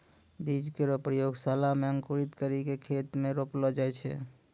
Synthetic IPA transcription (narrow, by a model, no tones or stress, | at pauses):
bid͡ʒkeɾopɾəjoɡsalameəŋkuɾit̪kəɾikekʰet̪meɾoplɔd͡ʒajt͡ʃʰɛ̰